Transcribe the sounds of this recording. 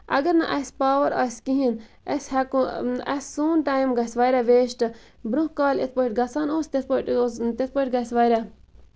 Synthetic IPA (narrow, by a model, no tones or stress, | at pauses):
ɐ̰ɡɐɾnɐʔɐsʲpaːʋɐɾa̰sʲkiɦin | ɐsʲhɛkuɐsʲːuːnʈaːjmɡɐsʋaːɾʲaʋeːʃʈɨ | bɾũhkaːlet̪̚ʰpoiʈ̚ɡɐt͡saːnoːst̪et̪̚ʰpoʈːt̪et̪̚ʰpoiʈɡɐsʋaːɾʲa